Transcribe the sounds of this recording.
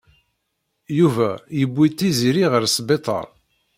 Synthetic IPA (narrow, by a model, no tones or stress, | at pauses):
juvæjəbːit̪ːiziɾiʁəɾsbet̪ˤɑ̰ɾˤ